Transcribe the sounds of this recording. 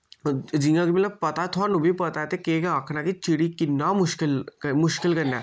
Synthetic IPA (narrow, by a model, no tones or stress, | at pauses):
d͡ʒĩãkimɐt̪ləb̚pɐt̪at̪ʰonũbʱipɐt̪at̪ekekaːkʰnãkit͡ʃiɽikɪnːamʊʃkɪlmʊʃkɪlkɐɾnaː